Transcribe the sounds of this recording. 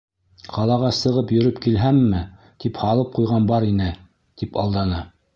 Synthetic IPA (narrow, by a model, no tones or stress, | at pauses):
qʰɑlˠɑʁɑsɤ̆ʁɤpjɵ̆ɾɵpkilɦæmːɘ | t̪iphɑlˠɤp̚qujʁɑnbɑɾinɘ | t̪ipɑ̰lˠd̪ɑnɤ